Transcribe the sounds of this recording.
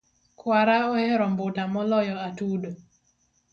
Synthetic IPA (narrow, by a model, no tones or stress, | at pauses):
kwaɾaɔhɛɾɔmbʊtamɔlɔjɔatudo